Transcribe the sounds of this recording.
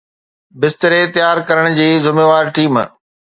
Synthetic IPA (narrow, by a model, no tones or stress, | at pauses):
bɪst̪əɾet̪jaːɾkɐɾəɽ̃d͡ʑiːzʊmeːʋaːɾʈiːm